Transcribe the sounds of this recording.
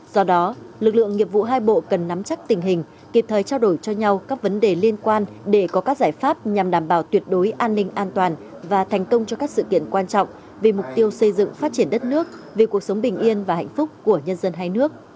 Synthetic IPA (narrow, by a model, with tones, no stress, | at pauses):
zɔ˧ɗɔ˨˦lɨ˨˩k̚lɨ̰˧˨əŋːi˧˨əp̚vṵ˧˨ɦaː˧jɓo̰˧˨kə˨˩nːa˨˦mt͡ɕa˦˥k̚t̪ï˨˩ŋ̟ɦï˨˩ŋ̟ | kḭ˨˩p̚t̪ʰəː˨˩jt͡ɕaː˧wɗo˧˩jt͡ɕɔ˧ɲa˧wkaː˦˥k̚və˨˦nɗe˨˩li˧ənkwaː˧n | ɗe˧˩kɔ˨˦kaː˦˥k̚zaː˧˩jfaː˦˥p̚ɲa˨˩mɗaː˧˩mɓaː˧˩wt̪wi˨˩ət̚ɗo˨˦jʔaː˧nːï˧ŋ̟ʔaː˧nt̪waː˨˩n | vaː˨˩t̪ʰɛ˨˩jŋ̟kə˧wŋ͡mt͡ɕɔ˧kaː˦˥k̚sɨ̰˧˨kḭ˧˨ənkwaː˧nt͡ɕɔ̰˧˨wŋ͡m | vi˨˩mʊ˨˩k͡p̚t̪i˧əwsə˧jzɨ̰˧˨ŋfaː˦˥t̚t͡ɕi˧˩ənɗə˦˥t̚nɨ˦˥ək̚ | vi˨˩ku˨˩ək̚sə˨˦wŋ͡mɓï˨˩ŋ̟ʔi˧ənvaː˨˩hɛ̰˧˨jŋ̟fʊ˦˥k͡p̚ku˧˩əɲə˧nzə˧nɦaː˧jnɨ˦˥ək̚